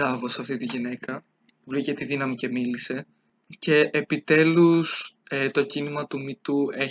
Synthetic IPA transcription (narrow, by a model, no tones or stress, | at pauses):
ɾɐvo̞sɐft̪it̪iʝine̞kʰɐ | vɾicet̪iðinɐmice̞milise̞ | ce̞ʔeːpit̪e̞luset̪o̞cinimɐt̪umit̪ue̞